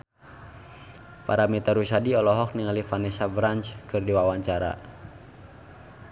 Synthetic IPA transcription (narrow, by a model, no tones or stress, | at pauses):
fa̰ɾamit̪aɾuʃadiɔlɔɦɔk̚niŋalifanɛsabɾant͡ʃkɨrdiwawaɲt͡ʃaɾa̰